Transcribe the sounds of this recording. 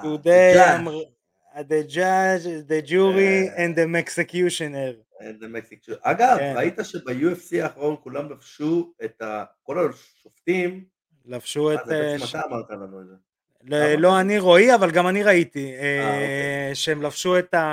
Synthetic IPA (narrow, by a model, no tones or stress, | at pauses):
jud̪eam | ad̪ed͡ʒad͡ʒd̪ed͡ʒuʁiẽnd̪emeksekjuʃoneʁ | ḛnd̪emeksikuaɡavkeʁait̪aʃebejuefsiaːχʁo̞nkulamlafʃuet̪ako̞la | ʃoft̪im | lafʃuezmat̪aːmaʁt̪alamoze | loloaniʁoiavalɡamaniʁait̪ie | ʃeemlafʃuet̪a